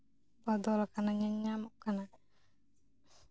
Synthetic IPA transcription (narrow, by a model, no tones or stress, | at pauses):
bɔd̪ɔlkanaɲaɲːamɔʔkana